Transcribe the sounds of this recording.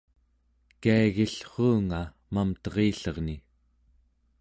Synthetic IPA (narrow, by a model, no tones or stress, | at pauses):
kaaɣiɬχuːŋa | mamt̪ʌʁiːɬʌʁni